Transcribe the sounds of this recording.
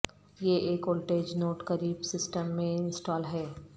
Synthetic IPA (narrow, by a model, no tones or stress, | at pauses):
jeʔeːkoːlʈeːd͡ʒnoːʈkɐɾiːbsɪsʈəmːẽɪnsʈɔːlɦɛː